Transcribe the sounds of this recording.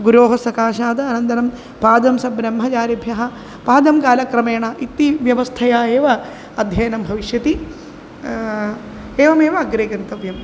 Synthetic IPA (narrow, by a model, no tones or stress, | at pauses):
ɡuɾoːɦɐsɐkaːʃaːd̪ɐːnɐnd̪ɐnɐm | paːd̪ɐmsɐbɾɐmɦɐt͡ʃaːɾɐbʱjɐɦɐ̆ | paːd̪ɐmkaːlɐkɾɐmeːɳɐʔit̪ːiʋjɐʋɐst̪ʰɐjaːeːʋɐ | ɐd̪ʱjɐːjɐnɐmbʱɐʋiʃjɐt̪i | eːʋɐmeːʋɐːɡɾeːɡɐnt̪ɐʋjɐm